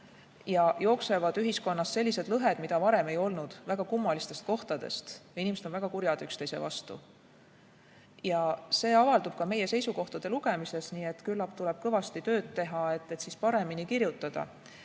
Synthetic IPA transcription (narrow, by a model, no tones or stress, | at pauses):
jɑjo̞ːkse̞vɑd̪̥yɦisko̞nːɑsːe̞lʲːise̞d̥̪lɤɦe̞d̪̥mid̪̥ɑvɑɾe̞me̞jo̞lnud̪̥væɡ̥ɑkumːɑlist̪e̞st̪̚ko̞ht̪ɑd̪̥e̞̰st̪inimese̞d̪o̞nvæɡ̥ɑkuɾjɑd̪̥ykst̪e̞jse̞̰vɑ̰st̪ṵ | jɑse̞ːɑvɑld̪ub̥kɑme̞je̞se̞jsuko̞ht̪ɑd̪̥e̞luɡ̥e̞mise̞sniːe̞t̪ːkylːɑpt̪ulɛb̥̚kɤvɑst̪it̪ø̞ːd̪t̪ːe̞ɦɑe̞t̪ːe̞t̪sispɑɾe̞minikiɾjut̪ːˑɑd̪̥ɑ̰